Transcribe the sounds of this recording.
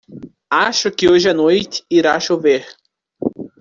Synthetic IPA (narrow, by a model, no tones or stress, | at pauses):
aʃʊkɪoʒɪɐnojt̪ɪ̥iɾaʃoveɾ